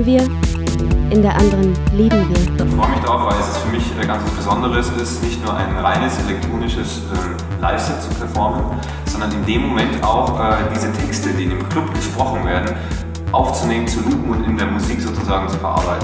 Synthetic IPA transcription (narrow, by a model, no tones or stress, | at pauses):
viːɐ | ʔɪndeːɐʔandəʁənleːbm̩viːɐɪçfʁ̥ɔʏəmɪçd̥aʁaʊfv̥aɪlɛsɛsfyːɐmɪçʔɡant͡sv̥asb̥əzɔndəʁəsɪstnɪçtnuːɐʔa̰ɪnʁa̰ɪnəsʔelɛk̚tʁ̥oːnɪʃəsʔɛːm | la̰ɪfsɛt͡su̥pʰɛɐfɔɐmən | z̥ɔndɐnɪndeːmːomɛntʰaʊxʔɛːd̥iːzətʰɛkstədiːɪndeːmkʰl̥ʊp̚ɡ̥əʃpʁ̥ɔχn̩veːɐdn̩ | ʔaʊft͡suneːmənt͡suluːpŋ̩ʊntɪndeːɐmuziːkz̥oːt͡suzaːɡŋ̩t͡sufɛɐʔa̰ɐbaɪtn̩